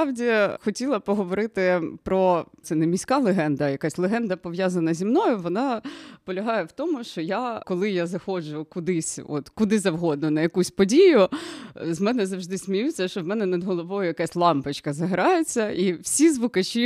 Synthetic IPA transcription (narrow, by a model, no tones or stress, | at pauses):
ɑwdʲixɔtʲilˠɐpɔɦɔʋɔɾɪt̪ɪpɾɔt̪sɛnɛmʲisʲkɑlˠeɦɛnd̪ɐjɐkasʲlˠeɦɛnd̪ɐpɔʋjazɐnɐzʲimnɔjʊʋɔnɑpɔlʲɐɦɑjɛwt̪ɔmʊʃt͡ʃɔjakɔlˠɪjazɐxɔd͡ʒʊkʊd̪ɪsʲɔ̰t̪kʊd̪ɪzɐwɦɔd̪̚nʊnɐjɐkusʲpɔdʲijʊ | zmɛnɛzɐwʐd̪ɪsʲmʲijut͡sʲːɐʃt͡ʃɔʋmɛnɛnɐd̪ɦɔlˠɔʋɔjʊjɐkasʲlˠɑmpɪt͡ʃkɐzɐɦɾɑjet͡sʲːɐiwsʲizʋʊkɐt͡ʃʲi